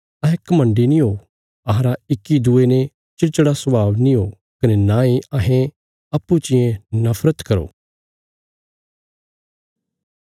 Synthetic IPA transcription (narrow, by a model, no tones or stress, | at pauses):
ɐɦɛ̃kɐmə̃ɳɖinĩɦoː | ɐɦɾaɪkːid̪uenẽ | t͡ʃɪɾt͡ʃəɽasəʋaːʋnĩɦoː | kɐnenãːiɐɦẽ | ɐpːut͡ʃɪ̃jẽnɐfʰɾət̪kɐɾo̰ː